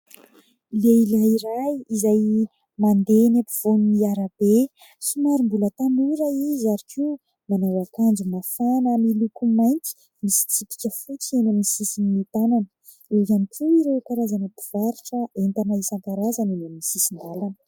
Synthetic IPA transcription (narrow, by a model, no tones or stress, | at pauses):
leilaiɾajizaj | mand̪enapiv̥oniaɾəb̥e | sumaɾimbulət̪anuɾaizaɾiki | manawakand͡ʒumafanamilukumajnt͡si̥ | misi̥t͡sipi̥kʲəfut͡sienamnisisinimit̪ananə̥ | ezanikʰuiɾekaɾazanapiv̥aɾiʈ͡ʂəent̪anaisaŋkaɾazanenamnisisind̪alanə